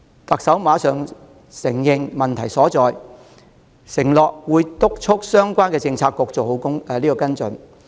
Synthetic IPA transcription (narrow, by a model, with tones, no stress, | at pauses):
t̪ɐ˨k̚sɐ˨˥wmaː˨˧˥sœː˨ŋ | sɪ˨˩ŋjɪ˨˧ŋmɐ˨nt̪ʰɐ˨˩jsɔː˨˥t͡sɔː˨j | sɪ˨˩ŋlɔː˨k̚wuː˨˧jt̪ʊ˥k̚t͡ʃʰʊ˥k̚sœː˥ŋkʷaː˥nkɛː˧t͡sɪ˧ŋt͡sʰaː˧kːɔː˧k̚t͡so˨who˨˥wkʊ˥ŋ˨˧liː˥kɔ˧kɐ˥nt͡sɵ˨˧n